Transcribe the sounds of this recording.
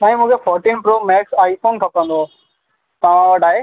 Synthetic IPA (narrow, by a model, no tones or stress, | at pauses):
sãːĩmũːkʰefɔːɾʈiːnpɾomɛːksaːifoːnkʰɐpə̃n̆d̪o | t̪ɐʋ̤ãʋɐʈaːɦeː